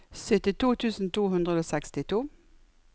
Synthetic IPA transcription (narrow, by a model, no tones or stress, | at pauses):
sœt̪ɪt̪ʰuːt̪ʰʉːsn̩t̪ʰuːɦʉnd̪ʁəoːsɛkst̪ɪt̪ʰuː